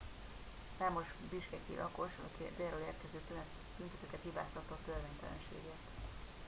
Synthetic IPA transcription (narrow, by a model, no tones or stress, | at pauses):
saːmo̞ʒbiʃkɛkḭlʔɒko̞ʃɒḭkid̪eːroleːrkɛzøːt̪øn | b̥̪ynt̪ɛt̪øːkɛt̪hiba̰ːst̪ɒt̪ːɒt̪ørveːnt̪ɛlɛ̰nʃḛːɡeːrt̪